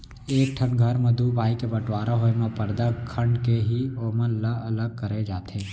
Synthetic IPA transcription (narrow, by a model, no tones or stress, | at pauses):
eːk̚ʈʰənɡʱɐɾmɐd̪ʱubʱaːikebɐʈwaːɾaɦoemẽpɐɾd̪akʰɐ̃ɳɖkeɦioːmənləɐləɡ̚kɐɾed͡ʒaːt̪ẽː